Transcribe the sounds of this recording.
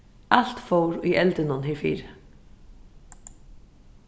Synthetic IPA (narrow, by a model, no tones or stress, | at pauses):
al̥t̪fowɾiʔɛlt̪ɪnʊnɦɪfḭːɾɪ